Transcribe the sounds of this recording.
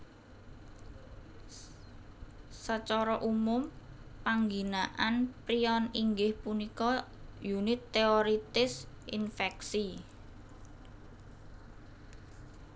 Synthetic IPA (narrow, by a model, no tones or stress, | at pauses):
sət͡ʃɔɾɔʔumʊmpaŋɡinaʔanpɾiɔniŋɡɪhpunikɔ | junɪt̪ːeoɾit̪ɪsinfɛksi